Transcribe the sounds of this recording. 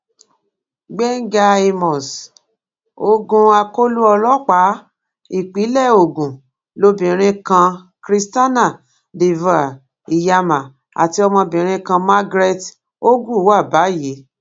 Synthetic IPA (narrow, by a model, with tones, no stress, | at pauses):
ɡ͡bɛ˦ŋ̩˦ɡa˧e˧mɔ̃˨s | o˧ɡũ˧a˧ko˦lu˦ɔ˧lɔ˦k͡pa˨˦ | i˦˨k͡pi˨˦lɛ˦˨o˨ɡũ˨ | lo˧bĩ˨ɾ̃ĩ˧kã˧ | kɾi˧sta˦nã˦˨ | de˧va˨ | i˨ja˧mã˨ | a̰˨ti˧ɔ˧mɔ̃˧bĩ˨ɾ̃ĩ˧kã˧ma˦ɡɾe˦t | o˦ɡu˦˨˦wa˦˨ba˨˦je˨˦